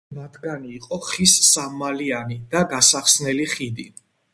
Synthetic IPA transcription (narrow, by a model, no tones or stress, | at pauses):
mat̪ʰɡaniːqʼɔχissamːalianid̪aɡasaχsnɛliχid̪i